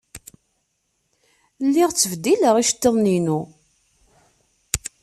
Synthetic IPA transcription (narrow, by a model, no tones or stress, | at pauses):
lːiʁt͡sːəvd̪iləʁiʃt̪ːəðˤninu